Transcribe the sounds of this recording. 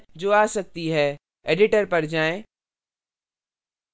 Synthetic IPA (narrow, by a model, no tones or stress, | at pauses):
d͡ʑoːaːsɐk̚t̪iɦɛː | eːɖɪʈəɾpɐɾd͡ʑaːẽ